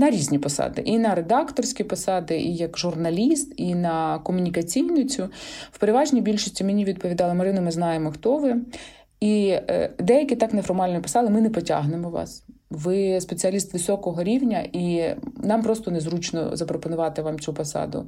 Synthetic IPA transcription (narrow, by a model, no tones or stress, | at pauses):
nɐɾʲizʲnʲipɔsɑ̰d̪ɪ̰ʔinɐɾed̪ɑkt̪ɔrsʲkʲipɔsɑd̪ɪʔijɐkʒʊrnɐlʲist̪inɐkɔmʊnʲikɐt͡sʲijnʊt͡sʲʊw̥peɾɪʋɑʒnʲijbʲilʲʃisʲtʲimenʲiʋʲid̪̚pɔʋʲid̪ɑlˠɐmɐɾɪnʊmɪznɑjemɔxt̪ɔʋɪ | id̪ɛjɐkʲit̪ɑknefɔrmɑlʲnjipɔ̥sɑd̪ɪmɪnɛpɔtʲa̰ɦnɪmɔʋɑ̰s | ʋɪspet͡sʲɨɐlʲist̪ʋɪsʲɔkɔɦɔɾʲiwnʲɐinɑmpɾɔst̪ɔnezɾut͡ʃnɔ̰zɐpɾɔpɔnʊʋɑt̪ɪʋɑmt͡sʲupɔsɑ̰d̪ʊ̰